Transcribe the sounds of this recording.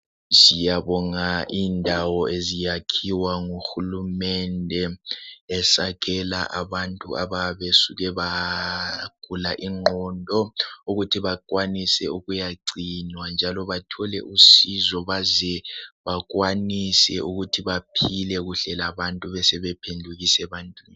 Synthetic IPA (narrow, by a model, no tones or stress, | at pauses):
zijaβɔŋaʔindʱawɔezijakʰiwaŋuxulumɛndʱɛː | saɣɛla̰ʔaβantʼuaβaβesuɣɛβa | ɡ̥ʱulaʔiŋ͡ǃʱɔndʱɔuɣutʰiβakʼwanisɛuɣujaǀinwand͡ʒʱalɔβatʰɔlɛ̰ʔusizɔβazɛβaɣwanisɛ̰ʔuɣutʰiβapʰilɛɣuɬɛlaβantʼuβɛsɛβɛpʰendʱuɣisɛβantʼwini